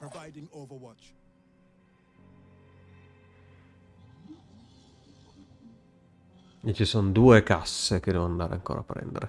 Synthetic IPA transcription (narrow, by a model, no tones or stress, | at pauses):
ɹəvaɪdɪ̃ŋovəwɑt͡ʃ | it͡ʃisɔnd̪uːekasek̟ed̪ɛːvonand̪aːɾea̰ŋko̰ːɾapːɾɛ̰nd̪ḛɾʔe